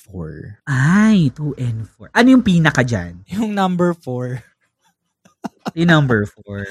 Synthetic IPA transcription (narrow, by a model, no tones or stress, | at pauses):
fɔɹʔajt̪uːʔɛnd̪fɔɹʔɐnojʊŋpiːnɐkad͡ʒa̰njʊŋnɐ̃mbɛɹfɔɹ | jɪnɐmbɛɹfoɹ